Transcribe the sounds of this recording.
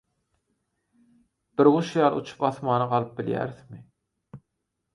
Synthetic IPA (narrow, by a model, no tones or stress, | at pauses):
b̥ɪɾʁʊʃujɑlˠṵt͡ʃʰu̥pɑθmɑːnɑqɑlˠɯp̚bɪljæ̰ɾθmɪ